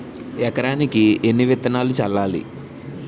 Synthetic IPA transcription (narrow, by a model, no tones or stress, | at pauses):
ɛkɐɾaːnikienːiʋet̪ːɐnaːlut͡ʃɐlːaːlḭ